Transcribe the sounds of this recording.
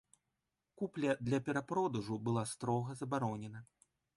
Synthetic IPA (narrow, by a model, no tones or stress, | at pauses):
kuplʲɐd̪lʲɐpʲɛɾapɾɔd̪uʐubɨlˠast̪ɾɔɣɐzɐbaɾɔnʲɛnɐ